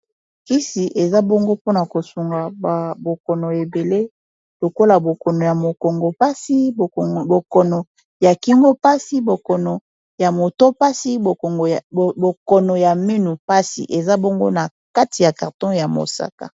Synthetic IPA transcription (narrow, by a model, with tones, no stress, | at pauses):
ki˦si˨ʔe˨za˦bɔ˦ŋɡo˦po˦na˨ko˨su˨ŋɡa˨a˨bo˨kɔ˨nɔ˨e˨be˨le˦ | lo˨ko˦la˨bo˨kɔ˨nɔ˨ja˨mo˨ko˨ŋɡo˨pa˦si˦˨bo˨kɔ˨nɔ˨ | ja˨ki˦ŋɡo˦pa˦si˦bo˨kɔ˨nɔ˨ | ja˨mo˨to˦pa˦si˦bo˨ko˨ŋɡbo˨kɔ˨nɔ˨ja˨me˦nu˨pa˦sḭ˨ʔe˨za˦bɔ˦ŋɡo̰˦na˨ | ka˦ti˨ja˨ka˨ʁtɔ̃˦ja˨mo̰˨sa̰˨ka̰˨